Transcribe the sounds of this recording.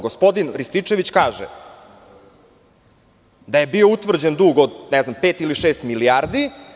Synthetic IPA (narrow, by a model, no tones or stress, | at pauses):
ɡospo̞d̪inɾist̪it͡ʂe̞ʋit͡ɕkaːʒɛ̰ | d̪aje̞bio̞ut̪ʋr̩d͡ʑend̪uːɡod̪nɛznampeːt̪iliʃeːst̪miliaːɾd̪i